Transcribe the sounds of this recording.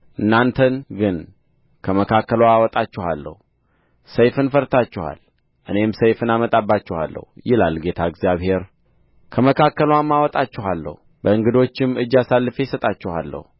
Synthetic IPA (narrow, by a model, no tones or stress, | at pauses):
ʔɨnːant̪ʰənɡɨn | kʰəməkʰakːəlwaːwɔt̪ʼat͡ʃːɪhalːə̰hu | səjfɨnfəɾt̪ʰat͡ʃːɪha̰l | ʔɨne̞msəjfɨnamət̪ʼabːat͡ʃːɛha̰lːə̰hujɪla̰lɡe̞t̪ʰaɨɡzijaβhe̞ɾ | kʰəməkʰakːəlwamːawɔt̪ʼat͡ʃːɪɦalːə̰hu | bəɨŋɡɨd̪o̞t͡ʃːɪmɨd͡ʒːasalːɨfe̞jsət̪ʼat͡ʃːɪha̰lːə̰hu